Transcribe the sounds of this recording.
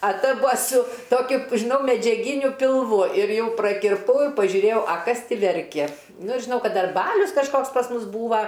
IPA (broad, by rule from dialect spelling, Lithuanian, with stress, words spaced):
ɐ ˈtɐ ˈbʊɐ sʊ ˈtoːkʲʊ ʒʲɪˈnɐʊ mʲɛd͡ʒʲɛˈɡʲɪnʲʊ pʲɪlˠˈʋʊ ɪr ˈjɛʊ prɐkʲɪrˈpɐʊ ɪ pɐʒʲʊˈrʲeːjɛʊ ɐ ˈkɐs ˈtʲɪ ʋʲɛrʲkʲɛ ˈnʊ ɪr ʒʲɪˈnɐʊ ˈkɐt ˈdɐr ˈbɑːlʲʊs kɐʃˈkoːks pɐs ˈmʊs ˈbuːʋɐ